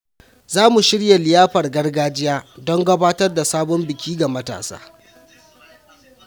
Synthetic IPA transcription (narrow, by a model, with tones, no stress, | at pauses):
zaː˦mu˨ʃɪ˦ɽja˨lɪ˨jaː˦ɸɐ˨rɡɐ˦rɡaː˦d͡ʒɪ˦jaː˦dɔ˦ŋɡɐ˦baː˦tɐ˦rda˨saː˦bɔ˦mbɪ˨kʲʰiː˦ɡa˨mɐ˦ta̰ː˨sa̰ː˦